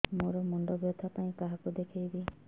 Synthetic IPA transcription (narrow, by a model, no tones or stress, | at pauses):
moɾɔmɔɳɖɔbjɔt̪ʰapaĩkaɦakud̪ekʰejbi